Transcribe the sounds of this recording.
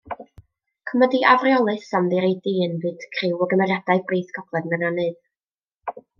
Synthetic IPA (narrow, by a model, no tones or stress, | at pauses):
kʰəmɔdiʔavrjɔlˠɨsamðiɾejdiːnvɨːd̥kʰrɪwɔɡəmɛradaɨbriːθkʰɔb̥lˠɛdmənanɨð̥